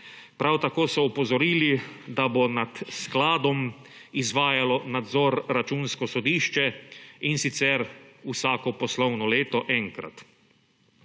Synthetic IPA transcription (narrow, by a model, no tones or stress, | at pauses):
pɾawt̪akoːsɔɔpɔzɔɾiːlid̪abonat̪sklaːd̪ɔm | izʋaːjalɔnad̪zɔɾːat͡ʃuːnskɔsɔd̪iːʃt͡ʃɛinsit̪sɛɾusaːkɔpɔslɔwnɔleːt̪ɔʔɛŋkɾa̰t̪